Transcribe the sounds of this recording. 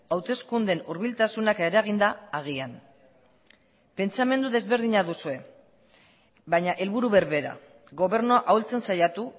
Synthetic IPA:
awt̪e̞skund̪e̞nuɾβilt̪asunake̞ɾaɣ̞ind̪aːɣ̞ian | pe̞nt͡same̞nd̪uðe̞zβe̞ɾðiɲaðusue̞ | βajɲaʔe̞lβuɾuβe̞ɾβe̞ɾa̰ | ɣo̞βe̞ɾnoaʔawlt͡se̞nsajat̪u

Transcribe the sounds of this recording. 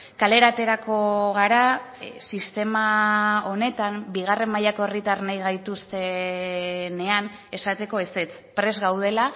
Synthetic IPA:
kale̞ɾat̪e̞ɾako̞ɣ̞aɾa | sist̪e̞mao̞ne̞t̪ambiɣ̞are̞mːajako̞e̞rit̪arnajɣajt̪ust̪e̞ | ne̞an | e̞sat̪e̞ko̞e̞set͡s | pɾe̞zɣawð̞e̞la

